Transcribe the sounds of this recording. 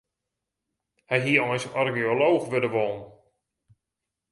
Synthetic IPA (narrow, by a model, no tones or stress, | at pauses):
hɛjɦiəɔjsɔrɡioloːxʋødəʋolˠn̩